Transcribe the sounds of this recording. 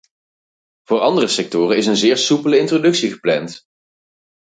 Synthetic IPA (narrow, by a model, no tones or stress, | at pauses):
v̥ʊːɹɑndərəsɛk̚tʊːrənɪs̬ənzɪːɹsupələɪntrodɵksiχə̥plɛnt